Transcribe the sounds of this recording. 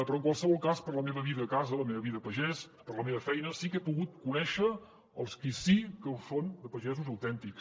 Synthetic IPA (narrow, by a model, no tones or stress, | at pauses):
pɾɔəŋkwalˠsəβɔlˠkaspəɾləmeβəβ̞iðəːkazələmeβəβiðəəpəʒɛs | pəɾləmeβəfɛjnəsikepuɣut̪̚kunɛʃə | əlˠskisikəusond̪əpəʒɛzuzəwt̪ɛnt̪iks